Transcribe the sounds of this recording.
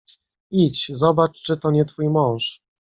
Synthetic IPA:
it͡ɕzɔbat͡ʂt͡ʂɘt̪ɔɲɛt̪fujmɔ̃w̃ʂ

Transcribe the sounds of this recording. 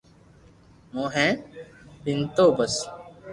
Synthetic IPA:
mõːɦɛ̃ːbɪnt̪oːbəs

